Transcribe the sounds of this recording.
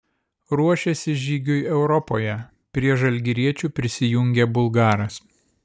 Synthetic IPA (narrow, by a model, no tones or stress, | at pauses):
ɾuɔʃʲesʲɪʒʲiːɡʲʊjɛʊɾɔpoːjɛ | pʲɾʲiɛʒɐlʲɡʲɪɾʲiɛt͡ʃʲuːpʲɾʲɪsʲɪjʊŋʲɡʲebʊlˠɡɑːɾɐs